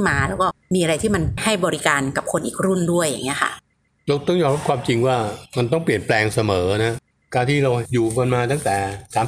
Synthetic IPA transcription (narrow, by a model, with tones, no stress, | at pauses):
maː˧lɛː˦˥wkɔː˥˩miː˧ʔa˧ɾa˧jt̪ʰiː˥˩ma˧nha˥˩jbɔː˧ɾi˦˥kaː˧nka˨˩p̚kʰo˧nʔiː˨˩k̚ɾu˥˩ndu˥˩əjːa̰˨˩ŋːi˦˥ɐkʰa̰˥˩ | ɾa˧wt̪ɔ˥˩ŋjɔː˧mɾa˥pkʰwaː˧mt͡ɕi˧ŋwaː˥˩ma˧nt̪̬ɔ˥˩ŋpli˨˩ənplɛː˧ŋsa˧mɤː˩˦˧na˦˥ | kaː˧nt̪ʰiː˥˩ɾa˧wjuː˨˩ka˧nmaː˧t̪a˥˩ŋt̪ɛː˨˩˦saː˩˦